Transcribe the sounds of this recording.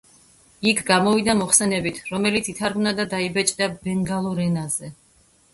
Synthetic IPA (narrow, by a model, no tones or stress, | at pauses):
ikʰɡamɔvid̪amɔχsɛnɛbit̪ʰɾɔmɛlit̪sit̪ʰaɾɡmnad̪ad̪aibɛt͡ʃʼd̪abɛŋɡalˠɔɾɛnazɛ